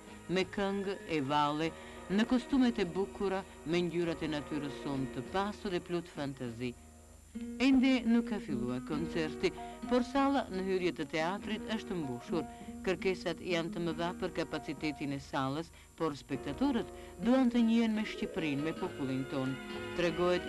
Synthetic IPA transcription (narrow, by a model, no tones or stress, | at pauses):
mɛkəŋɡɛvalˠɛ | nəkɔst̪umɛt̪ɛbukuɾa | mɛɲɟyɾat̪ɛnat̪yɾəsɔnt̪əpasuðɛplut̪fant̪azi | ɛnd̪ɛnukːafilˠuaɾkɔnt͡sɛɾt̪ipɔɾsalˠanəɦyɾjət̪ət̪ɛat̪ɾit̪əʃt̪əmbuʃuɾ | kəɾkɛsat̪jant̪əməðapəɾkapat͡sit̪ɛt̪inɛsalˠəs | pɔɾspɛk̚t̪at̪ɔɾət̪ | d̪uant̪əɲiɛnmɛʃcipɾinmɛpɔpulˠint̪ɔnt̪ɾɛɡɔhɛt̪